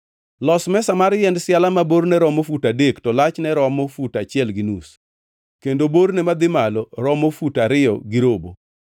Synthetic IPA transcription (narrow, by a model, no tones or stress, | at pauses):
lɔsmɛsamaɾjɛndsɪalamaboɾnɛɾɔmofutadektɔlat͡ʃnɛɾɔmofutat͡ʃɪɛlɡɪnus | kendoboɾnɛmad̪ɪmalɔɾɔmofutaɾɪjɔ̰ɡɪɾobo̰